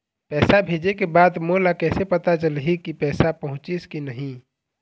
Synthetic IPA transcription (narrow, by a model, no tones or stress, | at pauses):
pɛːsabʱed͡ʒekebad̪molakɛːsepət̪at͡ʃəlɦikipɛːsapəɦʊ̃t͡ʃiskinəɦĩ